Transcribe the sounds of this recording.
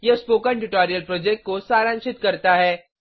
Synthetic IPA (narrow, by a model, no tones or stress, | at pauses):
jespoːkəɳʈuʈɔːɾijəlpɾoːd͡ʒek̚ʈ̚kosaːɾə̃nʃɪt̪kɐɾt̪aɦɛː